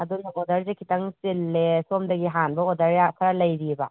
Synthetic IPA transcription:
ɐdunɐodɐɾzekʰitɐŋsilːesomdɐɡiɦanbɐodɐɾjakʰɐɾɐlɐjɾibɐ

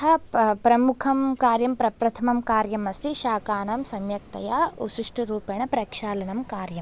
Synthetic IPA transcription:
ɐpɾɐmukʰɐmkaːɾjɐmpɾɐpɾɐt̪ʰɐmɐmkaːɾjɐmɐsiʃaːkaːnɐːmsɐmjɐk̚t̪ɐjaːusuʂʈɐɾuːpeɳɐpɾɐkʂaːlɐnɐmkaːɾjɐm

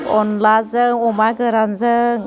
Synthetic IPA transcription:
ɔnlazəɔmaɡəɾanzə

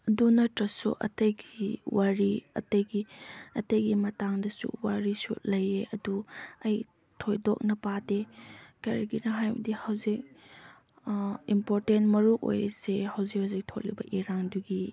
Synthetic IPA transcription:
ɐdunɐtɾɐsṵʔɐ̰tɐjɡiwaɾiɐ̰tɐjɡiɐtɐjɡimɐtaŋdɐsṵwaɾisṵlɐjeɐduɐj | tʰojdok̚nɐpadekɐɾɐɡinɐɦajbṵdihɐwzik̚ | impoɾtentmɐɾuʔo̰jɾesehɐwzik̚hawzik̚tʰok̚libɐʔiɾaŋduɡi

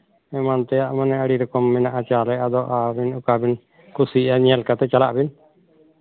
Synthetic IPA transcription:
ɛmant̪ɛjaʔmənɛəɽiɾɔkɔmːɛnaʔat͡ʃalɛad̪ɔʔabinukabɪn | kusiaɲɛlkat̪ɛt͡ʃalaʔbin

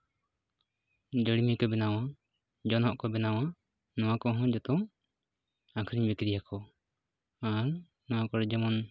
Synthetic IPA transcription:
d͡ʒəɽimikɔbɛnaw̃a | d͡ʒɔnɔʔkɔbɛnaw̃a | nɔ̃wakɔɦɔ̃d͡ʒɔt̪ɔŋ | akʰɾiɲbɛkɾijakɔ | aɾ | nɔwakɔɾɛd͡ʒɛmɔn

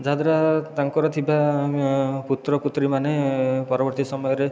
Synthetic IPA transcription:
d͡ʒad̪ɾat̪aŋkɔɾɔt̪ʰiba | put̪ɾɔput̪ɾimanepɔɾɔbɔɾt̪isɔmɔjɔɾe

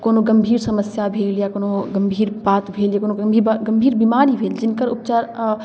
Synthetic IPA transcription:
koːnoɡəmbʱiːɾsəməsjabʱeːljakoːnoɡəmbʱiːɾbaːt̪bʱeːljakoːnoəmbʱiːɾbɡəmbʱiːɾbimaːɾibʱeːld͡ʒɪnkəɾʊpt͡ʃaːɾ

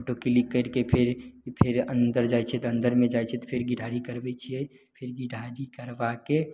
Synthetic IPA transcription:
poʈokilikːəɾkepʰɪɾpʰɪɾə̰̃nd̪əɾd͡ʒaːjt͡ʃʰet̪ə̃nd̪əɾmẽd͡ʒaːjt͡ʃʰet̪opʰɪɾɡiɖʱaɾikəɾbɛt͡ʃʰie | pʰɪɾɡiɖʱaɾikəɾbake

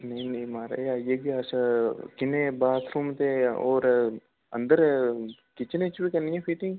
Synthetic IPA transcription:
nɐɦĩnɐĩmaːɾḛjaːjeɡiaːsakɪnebaːt̪ʰɾuːmt̪eoːɾ | ɐ̰̃nd̪əɾkɪt͡ʃnet͡ʃbikɐɾnijẽfʰiːt̪ĩ

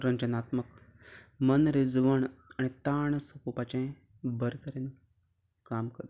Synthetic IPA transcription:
ɾəɲd͡ʒənat̪mək | mənɾed͡zʋəɳanit̪aɳsəpupat͡ɕẽ | bəɾk̪əɾen | kamkəɾt̪

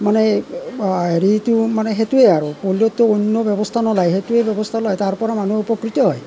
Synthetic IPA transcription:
manɛ | eɹitumanɛɦetueaɹupolɔtːuonːɔbjɔbɔstʰanɔlajɦetuebjɔbɔstʰalɔjtaɹpɔɹamanueupɔkɹitɔɦɔj

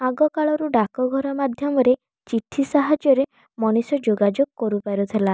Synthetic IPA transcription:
aɡɔkaɭɔɾuɖakɔɡʱɔɾɔmad̪ʱjɔmɔɾe | t͡ʃiʈʰisaɦad͡ʒjɔɾe | mɔnisɔd͡ʒoɡad͡ʒoɡ̚kɔɾupaɾut̪ʰela

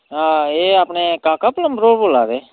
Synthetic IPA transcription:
ɦãːeːaːpneːkaːkapləmbɾoːɽboːlaːʋeː

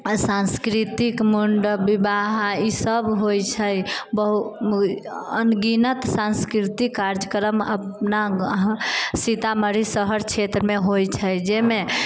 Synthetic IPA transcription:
sãnskɾit̪ikmuɳɖəbibaɦaisəbɦojt͡ʃʰəjbəɦu | ənɡinət̪sãnskɾit̪ikːaɾd͡ʒəkəɾəməpna | sit̪aməɾisəɦəɾt͡ʃʰet̪ɾəmeɦojt͡ʃʰəjd͡ʒeme

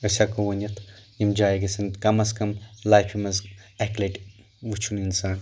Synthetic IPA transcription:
ɐsʲakoʋɐnɐt̪ʰjimd͡ʒaːjeɡɐsɐnkɐmɐskɐmlajfʰimɐzɛkleʈʲ | ʋut͡ʃʰuninsaːn

